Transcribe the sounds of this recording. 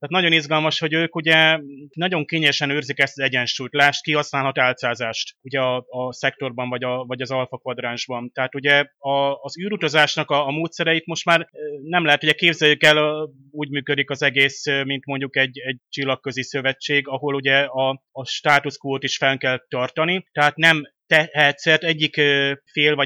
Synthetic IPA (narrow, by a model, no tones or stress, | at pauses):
t̪ɛːt̪nɒɟo̞nizɡɒlmɒʃho̞ɟøːkuɟɛnɒɟo̞ŋkeːɲɛlʃɛnøːrzikɛst̪ɒɛɟɛnʃujt̪laːʃt̪̚kiɦɒsnaːlɦɒt̪aːlt̪saːzaːʃt̪uɟɛɒːsɛk̚t̪o̞rbɒɱvɒɟɒvɒɟɒzɒlfɒkvɒd̪raːnʒbɒnt̪ɛɦaːt̪uɟɛɒːzyːɾut̪ɒzaːʃnɒkɒːmoːt̪sɛɾɛit̪mo̞ʃt̪maːrnɛmlɛɦɛt̪uɟɛkeːbzɛljykɛl | uːɟmyːkød̪ikɒzɛɡeːsmint̪mo̞ɲɟukɛɟːɛɟt͡ʃilːɒkːø̞zisø̞vɛt͡ʃːeːɡɒɦo̞luɟɛɒːʃt̪aːt̪uskoːt̪iʃfɛŋkɛlt̪ːɒrt̪ɒnit̪ɛɦaːt̪nɛmt̪ɛɦɛt̪sɛrt̪ɛɟːikøfeːlvɒ